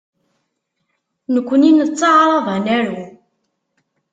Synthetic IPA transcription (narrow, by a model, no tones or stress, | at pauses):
nəkʷːəninət͡sːɑʕɾˤɑðˤænæɾu